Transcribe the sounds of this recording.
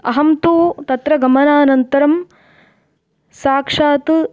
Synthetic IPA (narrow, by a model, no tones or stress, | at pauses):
ɐɦɐmt̪uːt̪ɐt̪ɾɐɡɐmɐnaːnɐnt̪ɐɾɐm | saːkʂaːt̪